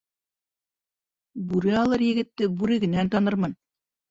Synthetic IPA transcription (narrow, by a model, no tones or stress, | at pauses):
bʉɾɘɑlˠɤɾjɘ̆ɡɘ̆t̪ːɘbʉɾɘ̆ɡɘ̆nænt̪ɑnɤɾmɤn